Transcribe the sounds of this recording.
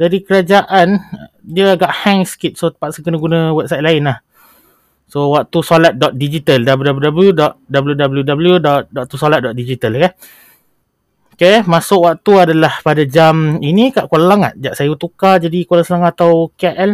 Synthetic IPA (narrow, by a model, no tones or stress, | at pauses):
dadikəɾad͡ʒaʔan | diəaɡaʔhɛŋsə̥kit̪̚sot̪ə̥pat̪̚səkənəɡunə̃wɛp̚sajt̪̚laɪnlah | sowak̚t̪usolat̪̚dɔt̪̚did͡ʒit̪aldabəudabljudabəljudɔt̪̚dabəljudabəljudabəljudɔʔ̚dɔʔ̚t̪usolat̪̚dɔt̪̚did͡ʒit̪alkan | okemasʊkwak̚t̪uadalahpadad͡ʒaminĩkaʔkollaŋa̰ʔ̪̚d͡ʒaʔsajut̪ukad͡ʒadikolaŋsəlaŋat̪awkaʔɛl